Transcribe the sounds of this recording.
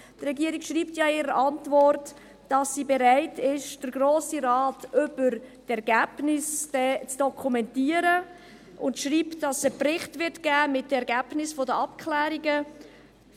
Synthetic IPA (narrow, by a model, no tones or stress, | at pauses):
trɛɡiəɾikʃɾiːptjɑːɪːɾəʔɑntvɔrt | d̥ɑsːiːbɛɾaɪtʰɪʃd̥əɾɡɾoːsiɾɑːtʔʏbəɾtɛɾɡ̥æːb̥nɪsd̥ɛt͡sd̥ɔkʰumɛntiːəɾə | ʔʊntʃriːptd̥ɑsəprɪχtvɪɾtɡ̥æːmɪt̚dəɛɾɡæːb̥nɪsfodəɑpkʰlæːɾiɡə